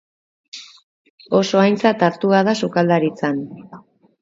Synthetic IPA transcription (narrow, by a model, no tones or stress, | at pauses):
o̞so̞ajnt͡sat̪aɾt̪uaðasukald̪aɾit͡san